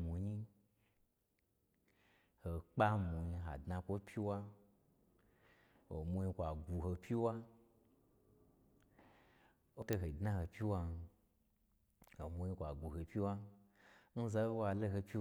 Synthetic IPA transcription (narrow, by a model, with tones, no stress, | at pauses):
mu˨ɲi˦ | ho˨k͡pa˦mũ˨ɲi˧ɦa̰˨dnã˧kʷo˦pʰʲi˦wa˦ | wo̰˨mu˧ɲi˧kʷa˨ɡu˨ɦo˧pʲi˦wa˦ | o˦to˧ɦo˨dnã˦ho˨pʲi˦wa˧n˧ | ho˨mu˧ɲi˧kʷa˨ɡʷu˨ɦo˨pʲi˦wa˦ | n̩˦za˦wa˧lo˦ɦo˧pʲi˦